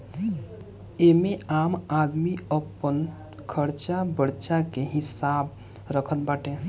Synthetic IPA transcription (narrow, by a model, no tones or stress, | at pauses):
emẽaːmaːd̪miəpən | kʰəɾt͡ʃabəɽt͡ʃakeɦɪsaːb | ɾəkʰənbaːʈẽ